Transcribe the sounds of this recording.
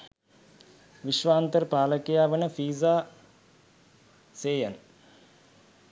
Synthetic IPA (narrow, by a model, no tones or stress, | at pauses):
ʋiʃʋaːnt̪əɾəpaːləkejaːʋənəfiːzaː | seːjan